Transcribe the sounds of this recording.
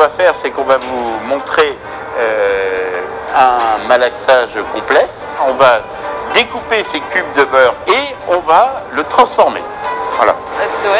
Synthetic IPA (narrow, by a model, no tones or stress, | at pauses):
vafɛʁsɛkɔ̃vavumɔ̃t̪χe | ø | ɛ̃malaksaʒkɔ̃plɛ | ɔ̃va | d̪ekupesekʲyb̚d̪əbœʁeɔ̃valət̪χɑ̃sfɔʁmḛ | vwa̰la̰